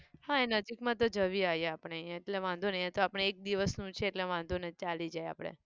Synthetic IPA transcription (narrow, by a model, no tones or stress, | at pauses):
hãenəd͡ʒikmãt̪od͡ʒəʋiaɦjeapɳ̃eəjãeʈleʋãnd̪unəjãt̪oapɽ̃eːk̚d̪iʋəsnũt͡ʃʰeːʈleʋãnd̪ʱunet͡ʃalid͡ʒaja̰pɽ̃ḛ